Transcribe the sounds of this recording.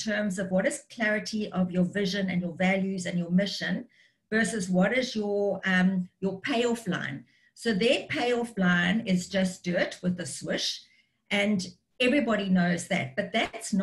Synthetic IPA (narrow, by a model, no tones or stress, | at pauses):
tʰɜ̃ːmzʌvwʌɾɨz̥kʰl̥æɹɨɾʰiʔəvjəvɪʒə̃nɨ̰̃njəvæljʉzɨ̃njəmɪʃə̃n | vɜ˞səzwʌɾɪzjəʌ̃mjəpʰeɪɔflã̰ɪ̃n | soʊðəpʰeɪɔflãɪ̃nɪzd͡ʒʌsd̥ɜtʰwəðəswɪʃ | ʔɨ̃nd | ɛvɹibɔɾinoʊzðæ̰t̚b̥ʌt̪̚ðætsn